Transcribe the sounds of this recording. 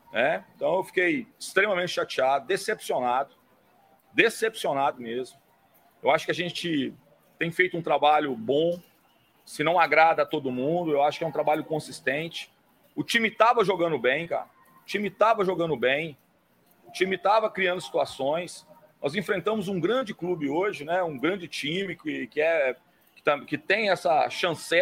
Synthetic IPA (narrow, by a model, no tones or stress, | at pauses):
nɛẽt̪ɐ̃w̃ewfi̥kejɪst̪ɾẽmɐmẽt͡ʃɪʃat͡ʃiad̪ʊd̪esepsionad̪ʊ | d̪esepsionad̪ʊmezmʊ | ewaʃʊ̥kɪaʒẽt͡ʃɪ | t̪ẽj̃fejt̪ʊũt̪ɾabaʎʊbõ | sɪnɐ̃w̃aɡɾad̪ɐt̪od̪ʊmũd̪ʊewaʃʊ̥kɪɛũt̪ɾabaʎʊkõsist̪ẽnt͡ʃɪ̥ | ʊt͡ʃĩmɪt̪avɐʒoɡɐ̃nd̪ʊbẽj̃ka̰ɾɐ | ʊt͡ʃĩmɪt̪avɐʒoɡɐ̃nʊbẽj̃ | ʊt͡ʃĩmɪt̪avɐkɾiɐ̃nd̪ʊsi̥t̪uasõj̃s | nʔɔzẽfɾẽnt̪ɐ̃mʊzũɡɾɐ̃d͡ʒɪklubɪoʒɪnɛũɡɾɐ̃d͡ʒɪt͡ʃĩmɪkɪkɪɛ | kɪ̥t̪ɐkɪt̪ẽj̃ɛsɐʃɐ̃sɛ